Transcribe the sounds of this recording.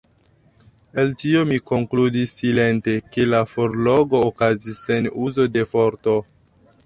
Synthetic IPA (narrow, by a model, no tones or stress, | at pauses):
e̞ltio̞miko̞ŋkludisːile̞nte̞ke̞lafoɾloɡo̞ːkazisːenuzo̞de̞fo̞ɾto̞